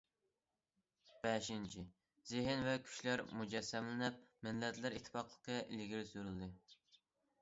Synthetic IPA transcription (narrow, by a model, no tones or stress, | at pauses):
b̥ɛʃint͡ʃʰi | zɪɦɪnvɛkʲʰy̥ʃlæɾmud͡ʒɛsːɛmlɪnɪp̚mɪnlːɛt̪lɪɾit̪ʰːfɑqlˠəqʰəilɡʲiɾsyɾyld̪ɨ